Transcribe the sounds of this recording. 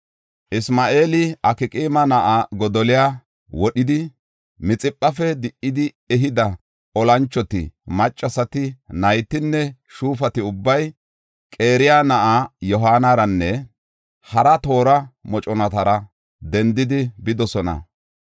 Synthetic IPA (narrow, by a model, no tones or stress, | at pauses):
ʔɪsmaːʔe̞ːlɪɐkɪkʼiːmɐnɐʔaɡɔd̪ɔlɪjaː | wɔɗɪd̪ɪ | mɪt͡sʼɪpʼːɐfɛd̪ɪʔːɪd̪ɪ | ɛɦɪd̪ɐ | ɔlɐnt͡ʃːɔt̪ɪ̰mɐt͡ʃʼːɐsɐt̪ɪnɐjt̪ːɪnːɛ | ʃuːfɐt̪ɪʊbːɐj | kʼe̞ːɾɪjanɐʔajɔɦaːnɐɾɐnːɛ | hɐɾɐt̪o̞ːɾɐmɔt͡ʃʼɔnɐt̪ɐɾɐ | d̪ɛnd̪ɪd̪ɪbɪd̪ɔsɔnɐ̰